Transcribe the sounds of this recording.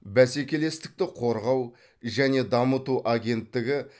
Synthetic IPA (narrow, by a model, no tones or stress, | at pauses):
bæse̞kʲe̞le̞st̪ɪ̥k̚t̪ɪqʰo̞ɾʁɑw | ʒæne̞d̪ɑmət̪uʔaɡʲe̞nt̪ːɪɡʲɪ